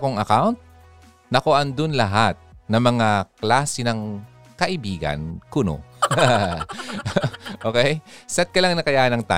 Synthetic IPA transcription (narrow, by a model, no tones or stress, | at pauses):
koŋɐkawnt̪̚ | nɐkoʔɐnd̪ʊnlɐɦat̪̚nɐmɐŋaklaːsɛnɐŋ | kɐʔɪbiːɡɐ̰nkʊno̰ | ʔoːkɛjsɐt̪̚kɐlaŋnɐkɐjaːhɐnɐŋt̪a̰